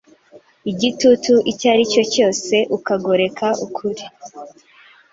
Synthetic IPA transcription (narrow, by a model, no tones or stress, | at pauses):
iɟitutuʔicaɾico̞co̞ːse̞ʔukaɡo̞ɾe̞kʰaʔukʰuɾi